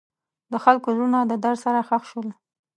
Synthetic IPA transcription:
d̪əxalkozunad̪əd̪aɽsaɾaxaxʃwəl

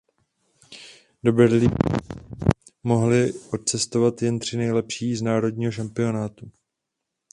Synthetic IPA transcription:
do̞bɛɾli | mo̞ɦlɪʔo̞t̪̚t͡sɛst̪o̞vat̪jɛnt̪r̝̥ɪnɛjlɛpʃiːznaːɾo̞dɲiːɦoʃ̬ampɪo̞naːt̪u

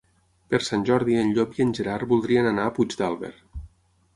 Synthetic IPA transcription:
pəɾsanʲʒɔɾðiənʎopiənʲʒeɾaɾbulˠd̪ɾiənanaːpud͡ʒd̪alˠβḛɾ

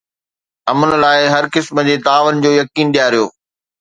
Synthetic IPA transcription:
ɐmən̆laːɪɦɐɾkɪsməd͡ʑeːt̪aːʋənɪ̆d͡ʑoːjɐkiːnɗijaːɾijoː

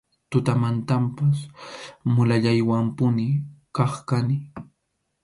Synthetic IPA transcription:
t̪ʊt̪amant̪ampas | mʊlaʎajwampʊnɪkɑχkanɪ

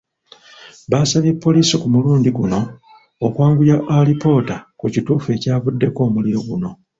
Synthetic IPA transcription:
βasaβjepːo̞liːsikumuluːndiɡuno̞ː | kwaːŋɡujaʔalipo̞takucituːfe̞ːcaːβudːe̞ko̞ːmuliɾo̞ɡuno̞

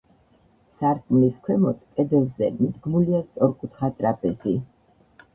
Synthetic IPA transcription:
saɾkʼmliskʰwɛmɔt̪ʰʼkʼɛd̪ɛlˠzɛ̰mid̪ɡmuliast̪sʼɔɾkʼut̪ʰχat̪ʼɾapʰʼɛzi

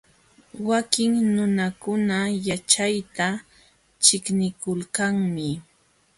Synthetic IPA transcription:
wakɪŋnʊnakʊnajat͡ʃajt̪a | t͡ʃɪknɪkʊlkaŋmɪ

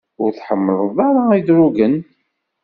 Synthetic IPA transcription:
ʊɾθħəmːəlˤðˤaɾaid̪ɾuɡən

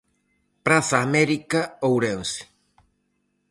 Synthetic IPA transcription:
pɾaθaːmɛɾikaowɾense̥

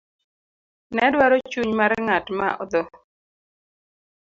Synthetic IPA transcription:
nɛdwaɾɔt͡ʃuɲmaɾŋatma̰ʔɔ̰d̪ɔ

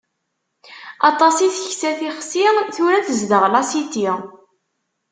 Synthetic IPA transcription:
ɑt̪ˤɑsiθəçsæθiχsiʁθʊɾæθəzd̪əʁlɑsit̪i

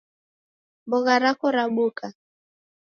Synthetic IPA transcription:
bɔɣaɾakɔɾaɓuka

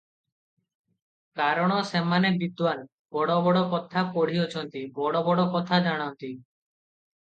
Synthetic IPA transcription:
kaɾɔɽ̃ɔsemanebid̪wan | bɔɽɔbɔɽɔkɔt̪ʰapɔɽ̤iot͡ʃʰɔnt̪ibɔɽɔbɔɽɔkɔt̪ʰad͡ʒaɽ̃ɔnt̪i

